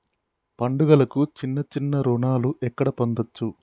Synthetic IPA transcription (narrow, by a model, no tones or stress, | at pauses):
pɐɳɖuɡɐlɐkut͡ʃinːɐt͡ʃinːɐɾuɳaːluʔɛkːɐɽɐpond̪ɐt͡ʃːu